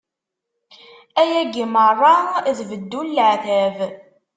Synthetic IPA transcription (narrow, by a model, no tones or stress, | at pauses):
æjæɡimərˤːɑðvəd̪ːulːʕθæv